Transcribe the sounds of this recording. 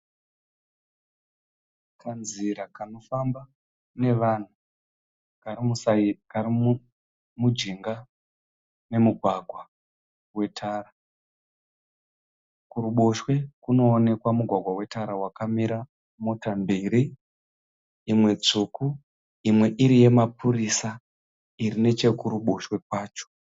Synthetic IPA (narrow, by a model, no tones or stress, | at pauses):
kʰanziɾakano̞famba | ne̞ʋan̤u | kaiuskari | mud͡ʒiŋɡa | ne̞muɡʱwaɡʱwa | we̞tʰaːra | kuɾuɓo̞ʃwe̞kuno̞ːne̞kwamuɡʱwaɡʱwawe̞taɾawakamiɾa | mo̞tambiːɾi | mwe̞t͡suku | imwe̞ʔiɾije̞mapuɾisa | iɾine̞t͡ʃe̞kuɾuɓo̞ʃwe̞kwaːt͡ʃo̥